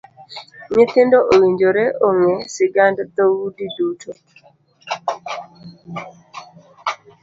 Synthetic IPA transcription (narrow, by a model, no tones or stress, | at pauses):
ɲet̪ɪndoʔowiɲd͡ʒoɾeʔoŋesɪɡandd̪owudidutʰo